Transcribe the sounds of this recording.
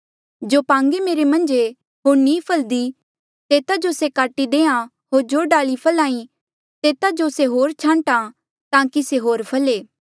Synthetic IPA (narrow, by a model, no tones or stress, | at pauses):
d͡ʒoːpãːŋɡemeːɾemɐ̃nd͡ʒe | ɦoːɾnĩːpʰəld̪i | t̪eːt̪ad͡ʒosekaːʈid̪ẽːã | ɦoːɾd͡ʒoːɖaːɭipʰɐlaːĩ | t̪eːt̪ad͡ʒoseɦoːɾt͡ʃʰãːɳʈa | t̪ãːkiseɦoːɾpʰɐleː